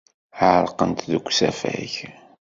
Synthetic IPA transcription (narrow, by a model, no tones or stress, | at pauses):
ʕəɾˤqənt̪ðəɡʷsæfæ̰ç